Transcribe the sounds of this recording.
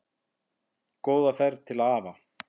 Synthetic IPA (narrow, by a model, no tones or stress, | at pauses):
koːwðafɛɾðt̪ʰɪlaðaːva